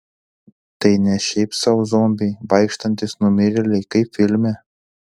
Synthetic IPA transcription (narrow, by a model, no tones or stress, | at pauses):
t̪ɐɪnʲɛʃʲɛɪpsɐʊzomʲbʲɪjbɐɪkʃt̪ɐnʲt̪ʲɪsnʊmʲɪɾʲɪlʲɛɪkɐɪpfʲɪlʲmʲɛ